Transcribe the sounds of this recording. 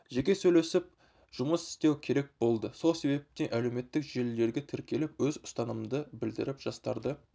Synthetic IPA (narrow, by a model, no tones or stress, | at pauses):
ʒe̞kʲe̞sɵjle̞sɪp̚ | ʒ̥ʊməsɪ̥st̪e̞wkʲʰe̞ɾe̞k̚bo̞lˠd̪əso̞lˠse̞be̞p̚t̪eʔæle̞wme̞t̪ːɪkʒelːe̞ɾɡʲet̪ʰɪɾkʲʰe̞lɪpwɵzʊ̥st̪ɑnəmd̪əbɪld̪ɪ̰ɾɪpʒ̥ɑst̪ɑɾd̪ə